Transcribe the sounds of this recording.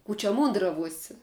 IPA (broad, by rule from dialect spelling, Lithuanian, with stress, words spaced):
ˈkuː t͡ʃʲɛ ˈmuːndrɐʋuɔsʲɪ